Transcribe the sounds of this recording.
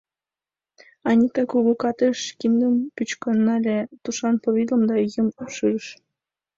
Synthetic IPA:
ɑnʲit̪ɑkuɣokɑt̪eʃkind̪əmpyt͡ɕkonːɑlʲet̪uʃɑnpoβʲilˠə̆md̪ɑjəmupʃɯɾəʃ

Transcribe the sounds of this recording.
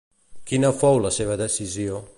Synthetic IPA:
kinəfowləseβəðəsizio

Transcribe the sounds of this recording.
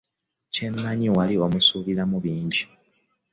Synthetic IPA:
cemːaɲiwalio̞musuβiɾamuβiːɲɟi

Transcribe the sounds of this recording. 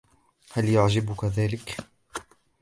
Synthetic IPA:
haljʊʕd͡ʒɪbʊkaðaːlɪk

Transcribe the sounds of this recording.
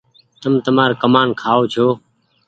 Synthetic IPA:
t̪əmt̪əmaːɾkəmaːnkʰaːoːt͡ʃʰoː

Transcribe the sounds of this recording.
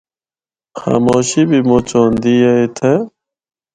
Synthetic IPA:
xa̰ːmoːɕibimot͡ɕoːnd̪ijɐit̪ʰe

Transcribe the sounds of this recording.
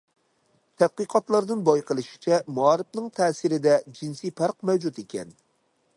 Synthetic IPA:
t̪ʰɛd̪̥̚qɨqʰɑt̪lˠɑɾd̪ɨnbɑjqəlˠɨʃi̥t͡ʃʰɛmuɑɾɪfnɨŋt̪ʰɛːsɨɾɪd̪ɛd͡ʒinsijpʰɑɾqmɛwd͡ʒut̪ekʲʰɛ̰n

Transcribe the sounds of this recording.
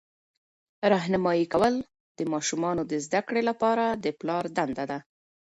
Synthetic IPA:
ɾɑɦnamɑjikawəl | d̪̥əmɑʃumɑnod̪əzd̪akɽelapɑɾad̪əplɑɾd̪and̪ad̪a

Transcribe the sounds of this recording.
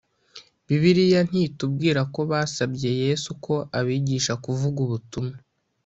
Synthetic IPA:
βiβiɾijan̥iːtub̚ɡiːɾako̞βaːsabɟe̞je̞ːsukʰo̞ʔaβiːɟiːʃakuvuɡuβutuma

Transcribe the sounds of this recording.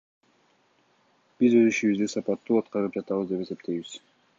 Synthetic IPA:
b̥izø̞ziʃiβyzd̪isɑpɑt̪ːuɑt̪̚qɑɾɯp̚d͡ʒɑt̪ɑβɯzd̪e̞pe̞se̞p̚t̪ʰe̞jβiz̥

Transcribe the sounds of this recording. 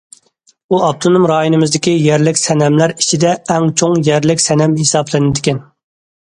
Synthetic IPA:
uɑb̚t̪ʰonumɾɑːjinɨmɪzd̪ɪkʲijɛɾlɪkʲsɛnɛmlæɾi̥t͡ʃʰid̪ɛːŋt͡ʃʰoŋjɛɾlɪkʲsɛnɛmhesɑblˠɨnɪd̪ɪkʲɛn

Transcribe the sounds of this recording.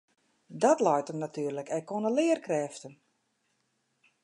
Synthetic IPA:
dɔtlɔjtəmnatʰyːərləkɛkːonəlɪːərkrɛːftən

